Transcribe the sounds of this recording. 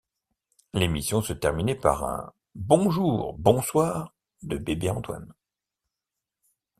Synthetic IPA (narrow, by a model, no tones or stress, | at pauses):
lemisjɔ̃sət̪ɛʁminɛpa̰ʁɛ̰̃ | bɔ̃ʒuːʁbɔ̃swaːʁ | d̪əbebeɑ̃t̪wa̰n